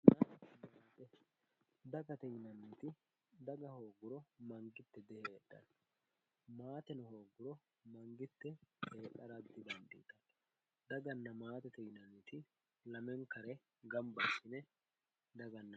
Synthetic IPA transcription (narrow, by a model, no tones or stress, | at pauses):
nɐɐmamːt̪ɛ | d̪ɐɡɐt̪ɛjnɐnːit̪ɪ | d̪ɐɡɐhoːɡʊɾɔmɐŋɡɪt̪ːɛd̪ɛheːᶑːɐ̰n | maːt̪ɛnɔho̞ːɡʊɾɔ | mɐŋɡɪt̪ːɛeːᶑɐɾɐd̪ːɪbɐnd̪ḭːt̪ɐn | d̪ɐɡɐnːɐmaːt̪ɛt̪ɛjnɐnːit̪ɪ | lɐmɛŋkɐɾɛ | ɡɐmbɐsɪnɛ | d̪ɐɡɐnːɐ